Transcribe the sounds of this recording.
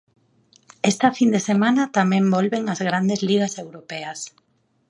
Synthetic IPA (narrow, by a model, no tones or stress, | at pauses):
ɛst̪ɐfind̪esemãnɐt̪amɛ̃mbɔlβeŋazɣɾand̪ezliɣ̞asewɾopeɐs